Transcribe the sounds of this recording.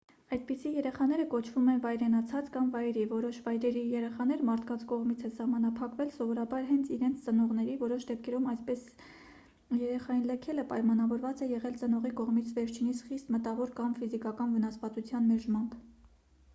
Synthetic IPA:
ɑjd̪̚pisijɛɾɛχɑn̪ɛɾəkɔt͡ʃʰvumɛnvɑjɾɛnɑt͡sʰɑt͡skɑmvɑjɾivɔɾɔʃvɑjɾɛɾijɛɾɛχɑnɛɾmɑɾt̪ʰkɑnt͡sʰkɔʁmit͡sʰɛsɑhmɑnɑpʰɑkvɛlsɔvɔɾɑbɑɾɦɛnt͡sʰiɾɛnt͡sʰt͡sənɔʁnɛɾivɔɾɔʃd̪ɛp̚ʰkʰɛɾumɑjspɛs | jɛɾɛχɑjinlɛkʰɛləpɑjmɑnɑvɔɾvɑt͡sɛjɛʁɛlt͡sənɔʁikɔʁmit͡sʰvɛɾt͡ʃʰinisʰχist̪mət̪ɑvɔɾkɑmfizikɑkɑnvənɑsvɑt͡sut͡sʰjɑnmɛɾʒmɑnp

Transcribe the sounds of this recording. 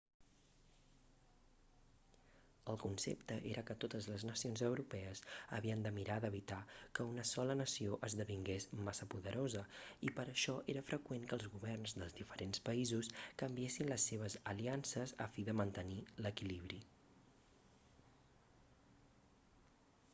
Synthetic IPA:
əlˠkunsḛpt̪əʔeɾʔəkət̪ot̪əzləznəsionzəwɾupɛəzə̰βiənd̪əmiɾaðəβit̪akəunəsɔlənəsioʔəzðəβiŋɡesmasəpuðəɾʔozəipəɾəʃɔʔeɾəfɾʔəkweŋkəːlˠzɣuβɛrnzðəlˠzðifəɾʔenspəizuskəmbiesinləsːeβ̞əzəliansəzə̰fiðəmənt̪əniləkiliβ̞ɾi

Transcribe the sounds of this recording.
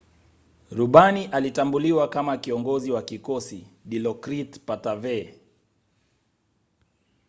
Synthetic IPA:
ɾuɓaniʔalitambuliwakamakiɔŋɡɔziwakikɔsiɗilɔkɾitpatavɛ

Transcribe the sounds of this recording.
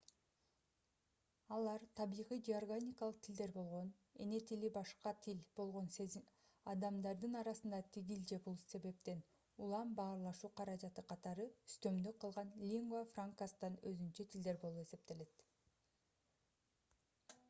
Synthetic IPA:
ɑlˠɑɾt̪ʰɑβijʁijd͡ʒiarɡanʲikɑlˠɯ̥q̚t̪ʰild̪e̞ɾbo̞lˠʁo̞n | e̞̰ne̞t̪ʰilibɑʃqɑt̪ʰilb̥o̞lˠʁo̞nse | ɑd̪ɑmd̪ɑɾd̪ɯnɑɾɑsɯnd̪ɑt̪ʰiɡild͡ʒebulˠse̞βe̞p̚t̪e̞n | ulˠɑmbɑːɾlˠɑʃuːqʰɑɾɑd͡ʒɑt̪ɯqʰɑt̪ɑɾɯy̥st̪ø̞md̪yqʰɯlˠʁɑnlʲiŋɡafraŋkast̪ɑnøzynt͡ʃøt̪ʰild̪e̞ɾbo̞lˠupe̞se̞p̚t̪e̞le̞t̪

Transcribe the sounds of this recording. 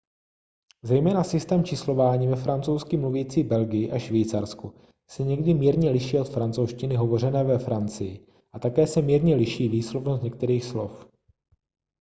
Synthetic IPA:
zɛjmɛːnasɪst̪ɛːmt͡ʃɪslo̞vaːɲiːvɛfɾant͡sowskɪmluviːt͡siːbɛlɡɪjɪʔaʃvijt͡saɾsku | sɛɲɛɡdɪmiːɾɲɛlɪʃiːo̞t̪fɾant͡sowʃcɪnɪɦo̞vo̞rɛnɛːvɛfɾant͡sɪjɪ | ʔat̪akɛːsɛmiːɾɲɛlɪʃiːviːslovnost̪ɲɛk̚t̪ɛɾiːxslo̞f

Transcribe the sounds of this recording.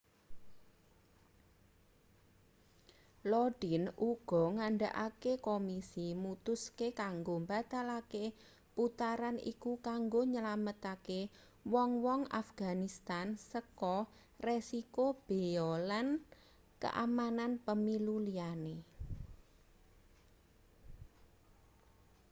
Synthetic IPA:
lɔɖ̥i̤nuɡ̥ɔ̤ŋaɳɖaʔakekomisimut̪ʊskekaŋɡombat̪alake | put̪aɾanḭkukaŋɡoɲəlamət̪ake | wɔŋwɔŋa̰fɡ̥a̤nist̪ansəkɔ | resikob̥e̤ɔlan | kə̰ʔa̰mananpəmiluliane

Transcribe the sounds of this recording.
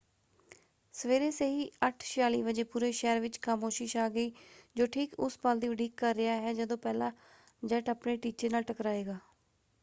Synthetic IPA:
səʋeːɾeːseɦiːəʈʰʃɪjaːliːʋəd͡ʒeːpuːɾeːʃɛːɾʋɪt͡ʃkaːmoːʃɪʃaːɡəiːd͡ʒoːʈʰiːkʊspald̪iːʋəɖiːkːəɾːɪjaːɦɛːd͡ʒəd̪õːpɛːlãː | d͡ʒəʈəpneːʈiːt͡ʃeːnaːlʈəkɾaːeːɡaː

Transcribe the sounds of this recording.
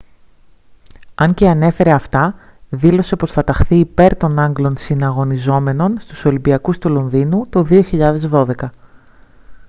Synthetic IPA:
ɐɲce̞ɐne̞fe̞ɾe̞ɐft̪ɐ | ðilo̞se̞po̞sθɐt̪ɐxθiːpe̞ɾt̪o̞nɐŋɡlo̞nsinɐɣo̞nizo̞me̞no̞nst̪uso̞limbiɐkust̪ulo̞nðinut̪oðio̞çiʎɐðe̞zðo̞ðe̞kɐ

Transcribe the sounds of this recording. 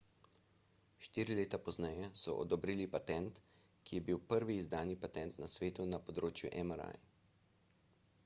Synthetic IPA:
ʃt̪iːɾileːt̪apɔznɛjɛsɔ̰ʔɔ̰d̪ɔbɾiːlipat̪ɛnt̪ | kijɛbiwpəɾʋiːzd̪aːnipat̪ɛnt̪nasʋeːt̪unapɔd̪ɾoːt͡ʃjuʔɛmaɾa̰j

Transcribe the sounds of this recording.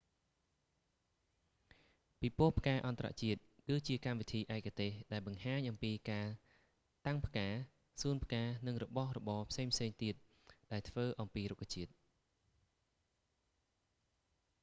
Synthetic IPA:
pipuəhpʰə̥kaːʔɑnt̪ra̰ʔt͡ɕiət̪̚kɨːt͡ɕiəkamʋit̪ʰiːʔaɛkʰːat̪eːhɗaɛlɓɑŋhaːɲʔɑmpiːkaː | t̪aŋpʰkaː | suːənpʰkaːnɨŋrɔɓɑhrɔɓɑːpʰseːŋpʰseːŋt̪iət̪̚ | ɗaɛlt̪ʰʋəːʔɑmpiːɾukʰːat͡ɕiət̪̚

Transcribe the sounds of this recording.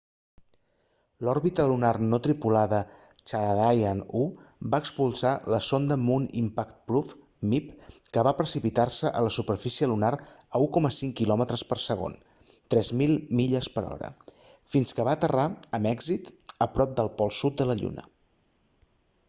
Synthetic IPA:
lɔɾβit̪əlunarnot̪ɾipulaðə | t͡ʃaðajanubaəkspulˠsaləsond̪əmunḭmpakt̪̚pɾuf | mipkəβapɾəsipit̪arsəʔələsupərfisiəlunaɾəukɔməsiŋkilɔmət̪ɾəspərsəɣ̞o̰n | t̪ɾɛzmilˠmiʎəspəɾɔ̰ɾə̰ | finskəβat̪əraəmɛɡzit̪əpɾɔp̚d̪əlˠpɔlˠsut̪̚d̪ələʎṵnə̰

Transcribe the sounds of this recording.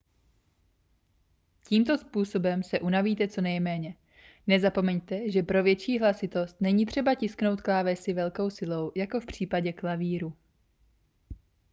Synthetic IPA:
ciːmt̪o̞spuːso̞bɛmsɛʔunaviːt̪ɛt͡so̞nɛjmɛːɲɛ | nɛzapo̞mɛɲt̪ɛʒɛpɾo̞vjɛt͡ʃiːɦlasɪt̪o̞st̪nɛɲiːt̪r̝̥ɛbacɪskno̞wt̪klaːvɛsɪvɛlko̞wsɪlo̞wjako̞fpr̝̥iːpaɟɛklaviːɾu

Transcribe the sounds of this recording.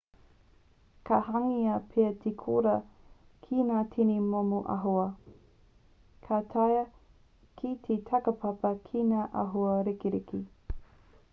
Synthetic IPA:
kahaŋiɐpʰeɐtʰekʰoɾɐ | kʰinaːtʰinimomuʔɐ̰ɦoɐ | kʰatʰɐjɐ | kʰitʰetʰɐkəpʰɐpɐkʰinaːʔɐɦoɐɾikiɾiki

